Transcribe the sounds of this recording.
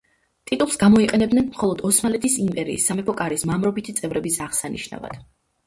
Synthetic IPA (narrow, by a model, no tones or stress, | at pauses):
t̪ʼit̪ʼulˠsɡamɔiqʼɛnɛb̚d̪nɛnmχɔlˠɔd̪ɔsmalɛt̪ʰisimpʼɛɾḭːsːamɛpʰɔkʼaɾismamɾɔbit̪ʰit̪sʼɛvɾɛbisaʁsaniʃna̰va̰d̪̥